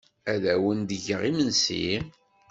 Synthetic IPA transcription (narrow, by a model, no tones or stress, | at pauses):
æðæwənd̪əʝəʁimənsḭ